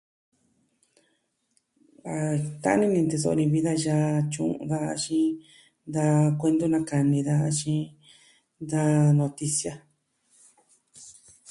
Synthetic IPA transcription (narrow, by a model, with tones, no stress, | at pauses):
a˧˨t̪a̰˦nĩ˦nĩ˧nd̪e˧so̰˧o˧nĩ˧βi˦ða˦ʒa˧t͡ʃṵ̃˧˨˧ða˧˦˧t͡ʃĩ˦ | nd̪a˧kʷe˧nd̪o˦nã˧ka˨nĩ˧ða˧t͡ʃĩ˧˦ | nd̪a˦nõ˧t̪i˧sja˦